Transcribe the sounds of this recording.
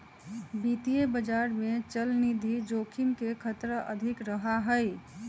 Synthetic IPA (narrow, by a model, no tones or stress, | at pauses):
bit̪ijebəd͡ʒaɾmet͡ʃəlnid̪ʱid͡ʒokʰimkekʰət̪ɾəʔəd̪ʱikɾəɦaɦəj